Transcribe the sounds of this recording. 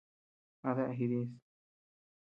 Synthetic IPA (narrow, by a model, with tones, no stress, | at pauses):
a˧ðe˦ʔa˧ɦi˧ðĩ˧˦s